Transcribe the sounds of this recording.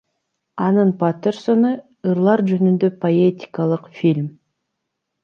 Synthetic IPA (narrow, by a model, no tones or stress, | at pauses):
ɑnɯnpat̪ʲeɾsonɯ | ɯɾlˠɑɾd͡ʒønynd̪ø̞pʰoet̪ʲi̥kalˠəqfʲilʲm